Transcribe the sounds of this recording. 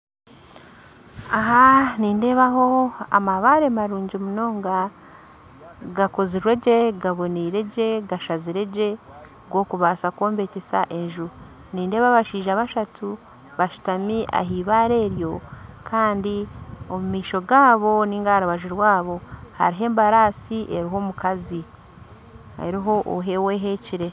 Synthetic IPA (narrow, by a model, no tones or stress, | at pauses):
aɦaniːnde̞ːβaɦo̞a̰maβaɾe̞maɾuːɲɟimuno̞ːŋɡa | ɡako̞ziɾwe̞ɟeɡaβo̞niɾeɟe̞ɡaʃaziɾe̞ɟe̞ | ɡwo̞kuβaːsakwo̞ːmbe̞cesa̰ʔe̞nʒuɾ | niːndeβaβaʃiːʒaβaʃatu | βaʃu̥tamiʔa̰ɦiːβaːɾe̞ːɾjo̞kʰaːndio̞mumiːʃo̞ɡaːβo̞niːŋɡaaɾuβaʒiɾwaːβo̞ha̰ɾiɦe̞ːmbaɾaːsiʔe̞ɾiɦo̞mukazi | ha̰ɾiɦo̞ʔo̰ɦe̞we̞ɦeːciɾe̞